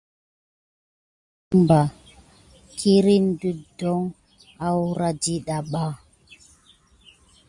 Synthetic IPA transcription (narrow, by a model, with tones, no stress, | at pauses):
mba˨ | kʰi˦ɾi˦n˦du˦dɔ˦ŋ | a˦wu˦ɾa˦d͡ʒi˦ɗa˨ɓa˦